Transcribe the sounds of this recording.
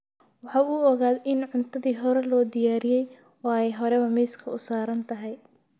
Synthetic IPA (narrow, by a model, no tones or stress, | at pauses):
wɑħɑːuɔɣaːd̪ɪnʕʊnt̪ʰɐðiːɦɔɾɛlɔːd̪ɪjaːɾɪjɛj | ɔːɛjɦɔɾɛβɐmɛːskʰɐʊsaːɾɐnt̪ʰɐɦɛj